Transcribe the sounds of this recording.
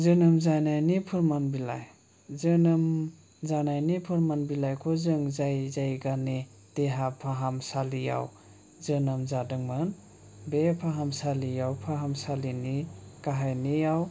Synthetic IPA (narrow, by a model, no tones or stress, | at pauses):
zɯnɯmzajnajnipʰɯɾmanbila̰j | zɯnɯm | zanajnipʰɯɾmanbilajkʰɔzɯŋzajzajɡane | d̥eɦapʰaɦamsalija̰w | zɯnɯmzadɯŋmɯn | bepʰaɦamsalijawpʰaɦamsalinikaɦajnijaw